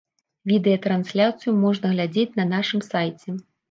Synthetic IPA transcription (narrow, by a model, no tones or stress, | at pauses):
vʲid̪ɛjɐt̪ɾansʲlʲat̪sɨjumɔʐnɐɣlʲad͡zʲet͡sʲnɐnaʂɨmsajt͡sʲɛ